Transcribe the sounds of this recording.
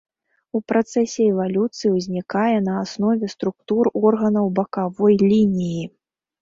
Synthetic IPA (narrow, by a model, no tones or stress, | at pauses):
upɾat̪sɛsʲɛɛvalʲut̪sɨjiwzʲnʲikajɛnɐːsnɔvʲɛst̪ɾukt̪urɔrɣɐnɐwbɐkavɔjlʲinʲiji